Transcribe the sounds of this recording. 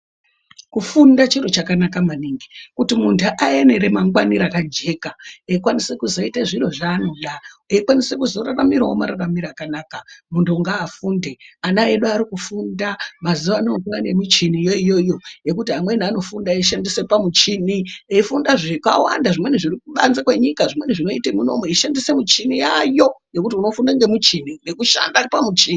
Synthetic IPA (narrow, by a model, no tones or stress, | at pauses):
kufundat͡ʃiɾo̞t͡ʃakanakamaniːŋɡikutimuntʰuʔae̞ne̞ɾe̞maŋɡwaniɾakad͡ʒe̞kaeikwanisekuzo̞itaʐiro̞ʐaːno̞ɗaeikwanise̞kuzo̞raramiɾawoma̰ɾaramiɾakanaːkamuntʰuŋɡaːfunde̞anaeɗuaɾikufundamaziʋanoɡʋane̞mut͡ʃinijoijo̞jo̞je̞kutiɦamwe̞niano̞fundaiʃandise̞pamut͡ʃinieifundaʐeka̰wa̰ndaʐimwe̞neʐirikuɓanzakwe̞ɲikaʐimwe̞neʐino̞ite̞muno̞̰mweiʃandise̞mut͡ʃinijajo̞je̞kutiuno̞fundaŋɡe̞mut͡ʃinine̞kuʃa̰ndaripamut͡ʃini